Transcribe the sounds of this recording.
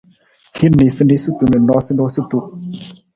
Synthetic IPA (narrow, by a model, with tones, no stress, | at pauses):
he˦ne˨sɨ˦ne˦sɨ˦tu˨nə˨nɔ˦sɨ˦nɔ˦sɨ˦tu˨